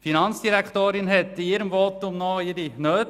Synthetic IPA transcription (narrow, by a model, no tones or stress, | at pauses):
finɑnt͡sd̥iɾækχt̪oːɾɪnɦɛt̪iɪɾəmvɔt̪ʊmnɔɪɾinøːt